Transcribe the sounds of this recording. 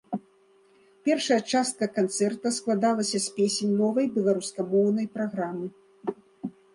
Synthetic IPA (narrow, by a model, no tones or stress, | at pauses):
pʲɛrʂɐjɐt͡ʂast̪̚kɐkant̪sɛrt̪ɐsklˠad̪alˠɐsʲɐsʲpʲesʲenʲnɔvɐjbʲɛlˠaɾuskɐmɔwnɐjpɾaɣɾamɨ